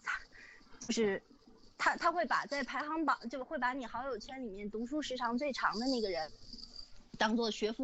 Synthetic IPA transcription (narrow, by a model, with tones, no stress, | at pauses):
t̪ʰa˥t͡ɕjo˥˧ʊʂɻ̩˥˩ | t̪ʰa˥t̪ʰa˥xwe˥˩ɪpa̰˨˩t͡sa˥˩ɪpʰa˧˥ɪxɑ˧˥ŋpɑ̰˨˩˦t͡ɕjo˥˧ʊxwe˥˩ɪpa˧˥ni˨˩xɑ˧˥ʊjo˨˩ʊt͡ɕʰɥɛ˥nli˨˩mjɛ˥˩nt̪u˧˥ʂu˥ʂɻ̩˧˥ʈ͡ʂʰɑ˧˥ŋt͡swe˥˩ɪʈ͡ʂʰɑ̰˧˥ŋd̪ə˧na˥˩ɡə˩ɻə˧˥n | t̪ɑ˥ŋt͡swɔ˥˩ɕɥɛ˧˥fu˥˧